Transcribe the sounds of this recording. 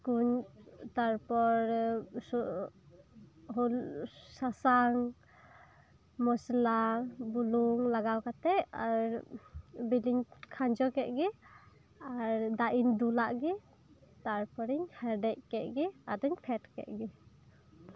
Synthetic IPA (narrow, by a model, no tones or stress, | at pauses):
kuɲt̪aɾpɔɾs | ɦulsasaŋ | mɔslabuluŋlaɡawkat̪ɛʔa̰ɾ | biliɲkʰaɲd͡ʒɔkɛʔ̚ɡɛ | aɾd̪aʔiɲd̪ulaʔɡi | t̪aɾpɔɾiɲhɛɾɖɛc̚kɛʔ̪̚ɡiad̪uɲpʰɛʈkɛ̰ʔ̪̚ɡɛ